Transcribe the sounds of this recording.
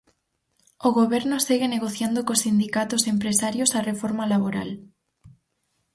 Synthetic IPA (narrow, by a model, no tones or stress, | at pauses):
oɣoβeɾnoseɣeneɣoθjand̪okosind̪ikat̪osempɾesaɾjosarefoɾmalaβoɾa̰l